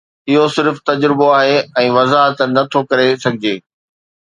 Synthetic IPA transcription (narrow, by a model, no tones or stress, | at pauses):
ɪɦosɪɾft̪ɐd͡ʑɾɪboaːɦeɛ̃ːʋɐzaːɦət̪nɐt̪ʰokɐɾesɐɡʱɪd͡ʑeː